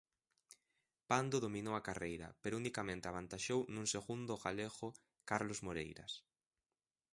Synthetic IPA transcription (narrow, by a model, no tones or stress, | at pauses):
pand̪oðominowakarejɾɐ̰peɾounikamẽnt̪eaβ̞ant̪aʃownũŋseɣund̪ʊɣaleɣʊ | kaɾlozmoɾejɾɐ̰s